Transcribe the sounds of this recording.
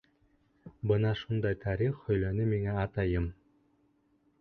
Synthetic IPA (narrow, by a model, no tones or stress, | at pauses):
bɤnɑʃund̪ɑjt̪ʰɑɾiχhɵ̆jlænɵmiŋæɑt̪ɑjɤm